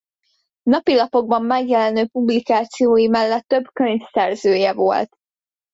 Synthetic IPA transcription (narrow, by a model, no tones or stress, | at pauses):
nɒpilɒpo̞ɡ̚bɒmːɛɡjɛlɛnøːpublikaːt̪sijoːjimɛlːɛt̪ːø̞bkø̞ɲfsɛrzøːjɛvo̞̰lt̪